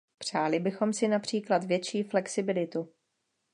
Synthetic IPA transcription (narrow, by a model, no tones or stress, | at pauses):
pr̝̥aːlɪbɪxo̞msɪnapr̝̥iːklat̪vjɛt͡ʃiːflɛksɪbɪlɪt̪u